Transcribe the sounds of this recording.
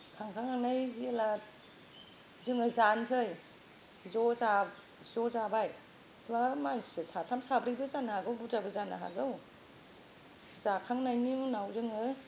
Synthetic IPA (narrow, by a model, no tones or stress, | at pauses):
kʰaŋkʰaŋanajziela | zɯŋɯzansʰɯj | zɔza | zɔzabaj | tʰamasɯsatʰamsabɾɯjbɯzanahaɡɯwbudabɯzana̰ɦa̰ɡɯw | zakʰaŋnajnimunawzɯŋɯ